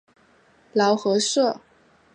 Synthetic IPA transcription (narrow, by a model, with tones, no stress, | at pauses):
lɑ˧˥ʊxɤ˧˥ʂɤ˥˩